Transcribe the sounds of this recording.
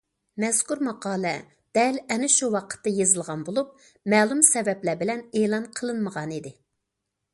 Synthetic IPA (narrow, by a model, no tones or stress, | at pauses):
mɛskuɾmɑqɑːlˠɛ | d̪̥ɛlɛnɪʃuwɑqʰə̥t̪ːɨjezɨlˠʁɑnbolˠup̚ | mɛːlˠumsɛvɛplæbɪlɛneːlˠɑnqʰəlˠɨnməʁɑnid̪ɪ